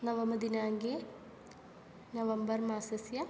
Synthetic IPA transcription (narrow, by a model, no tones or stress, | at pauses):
nɐʋɐmɐd̪inaːŋɡe | nɐʋɐmbɐrmaːsɐsjɐ